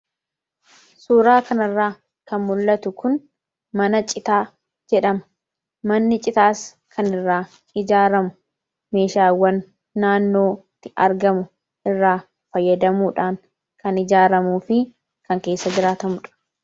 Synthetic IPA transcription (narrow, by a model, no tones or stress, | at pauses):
suːɾaːkɐnɐrːaː | kɐnmʊlːɐt̪ʊkʊn | mɐnɐt͡ʃʼɪt̪aː | d͡ʒɛᶑɐmɐ̥ | mɐnːɪt͡ʃʼɪt̪aːs | kʰɐnɪrːaː | ɪd͡ʒaːɾɐmʊ | me̞ːʃaːwɐnː | aːnːo̞ːt̪ːɪɐɾɡɐmʊ | ʔɪrːaː | fɐjːɐd̪ɐmuːᶑaːŋ | kɐnɪd͡ʒaːɾɐmuːfɪ | kɐŋke̞ːsːɐd͡ʒɪɾaːt̪ɐmʊᶑɐ̥